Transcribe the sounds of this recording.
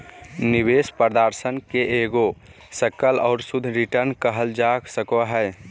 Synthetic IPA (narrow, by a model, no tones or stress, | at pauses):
nibespəɾd̪əɾsənkeeɡo | səkəlɔʊɾsud̪ʱɾiʈəɾnkəɦəld͡ʒaksəkoɦəj